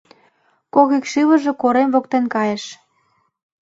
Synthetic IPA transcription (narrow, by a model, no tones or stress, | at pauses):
koɣikʃiβə̆ʒĕkoɾemvok̚t̪enkɑjĕʃ